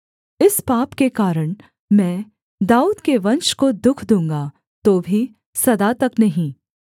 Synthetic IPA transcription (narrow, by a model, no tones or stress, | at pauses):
ɪspaːpkekaːɾəɽ̃ | mɛ̃ː | d̪aːuːd̪keʋɐ̃nʃkod̪ʊkʰd̪ũːŋɡa | t̪oːbʱi | sɐd̪at̪ɐknɐɦĩː